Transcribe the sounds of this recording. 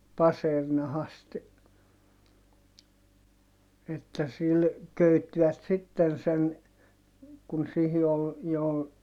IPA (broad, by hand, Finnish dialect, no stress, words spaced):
pɑsernɑhɑst etːæ sil køytːiʋæt sitːen sen kun sihi ol jo